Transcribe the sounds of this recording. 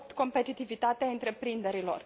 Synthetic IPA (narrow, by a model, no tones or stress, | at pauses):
pt̪ko̞mpe̞t̪it̪ivit̪at̪eaɨnt̪ɾe̞pɾind̪e̞ɾilo̞̰r